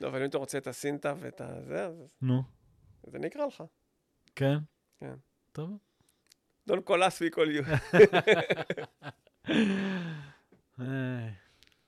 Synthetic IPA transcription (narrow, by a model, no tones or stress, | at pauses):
loavalimat̪aʁot͡seet̪asint̪aveḛt̪a̰zeaznu | zḛnikʁaleχa | ken | kḛn | t̪ov | d̪onkolaswikolju | ej